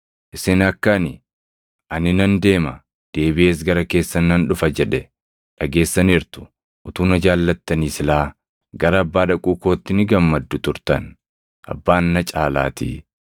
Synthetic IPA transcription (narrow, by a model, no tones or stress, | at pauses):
ʔɪsɪnɐkːɐnɪ | ʔɐnɪnɐnd̪e̞ːmɐ | d̪̥e̞ːbɪe̞ːs̬ɡɐɾɐke̞ːsːɐnɐnᶑʊfɐd͡ʒɛᶑɛ | ᶑɐɡe̞ːsːɐnɪɾt̪ʊ̥ | ʔʊt̪uːnɐd͡ʒaːlːɐt̪ːɐniːsɪlaː | ɡɐɾɐːbːaːᶑɐkʼuːko̞ːt̪ːɪnɪɡɐmːɐd̪ːʊt̪ʊɾt̪ɐn | ʔɐ̰bːaːnːɐt͡ʃʼaːla̰ːt̪ḭː